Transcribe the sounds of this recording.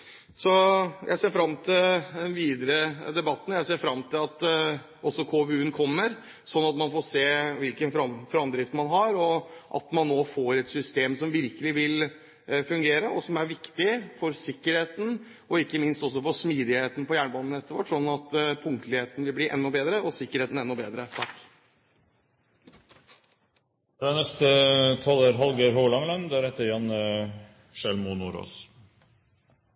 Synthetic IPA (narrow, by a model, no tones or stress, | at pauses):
sɔjæ̰ɪseːɾfɾɑmːt̪ʰɪld̪ɛnʋiːd̪əɾəd̪ɛbɑt̪ːən̩jæɪseːfɾɑmt̪ʰɪlɑt̪ | ʔɔsːɔkʰoːʋʉːnkʰɔmːəɾ | sɔnːɑt̪mɑnfoːɾseːʋɪlkənfɾɑmfɾɑmd̪ɾɪft̪mɑnɦɑɾɔʔɑ̰t̪mɑnːoːfoːɾɛt̪sʏst̪eːmsɔmʋɪɾkəlɪʋɪl | fʉŋɡeːɾəʔɔsɔmæɾʋɪkt̪ɪfɔɾsɪkːəɾheːt̪n̩ | ɔɪkːəmɪnst̪ɔs̬ːɔfɔsmiːd̪ɪheːt̪n̩pɔjæːɳəbɑnən̩ɛt̪ːəɾʋæ̰ʈːʂɔnːɑt̪pʰʊŋt̪əlɪheːt̪ənʋɪlbliʔɛ̰nːɔbeːd̪ɾəʔɔsɪkːəɾheːt̪n̩ɛnːɔbeːd̪ɾət̪ʰɑkː | d̪̥ɛnɛst̪ət̪ʰɑləɾɦɑlɡəɾɦoːlɑŋlɛnd̪ɛæɾhɛt̪ːəɾjɛn | ʃɛlmunuːɾo̰ːs